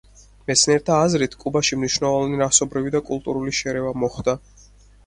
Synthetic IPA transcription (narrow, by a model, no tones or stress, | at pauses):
mɛt̪sʰniɛɾt̪ʰaːzɾit̪ʰkʼubaʃimniʃnɛlˠɔvniɾasɔbɾivid̪akʼulˠt̪ʼuɾuliʃɛɾɛvamɔχd̪a